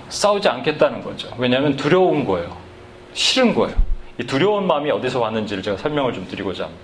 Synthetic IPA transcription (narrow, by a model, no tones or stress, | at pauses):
s͈aud͡ʑiankʰe̞t̚t͈anɯnɡʌ̰d͡ʑowe̞ɲamjʌntuɾjʌunɡʌejo | ɕʰiɾɯnɡʌeoituɾjʌunmamiʌdisʰʌpanːɯnd͡ʑiɾɯɭt͡ɕe̞ɡasʰʌɭmjʌŋɯɭt͡ɕomtɯɾiɡod͡ʑa